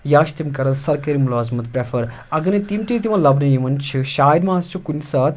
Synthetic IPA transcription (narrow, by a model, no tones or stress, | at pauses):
jaːʃt̪imkɐɾɐsɐɾkɐɾimulaːzmɐt̪pɾefɐɾ | ɐɡɐnet̪imʈit̪imɐlɐbnɐjimɐnt͡ʃʰiʃaːjd̪maːst͡ʃʰukunʲsaːt̪